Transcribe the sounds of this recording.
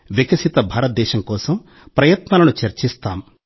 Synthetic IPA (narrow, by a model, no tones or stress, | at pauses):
ʋekɐsit̪ɐbʱaːɾɐt̪̚d̪ɛːʃɐmkɔːsɐm | pɾɐjɐt̪naːlɐnut͡ʃɐɾt͡ʃist̪aːm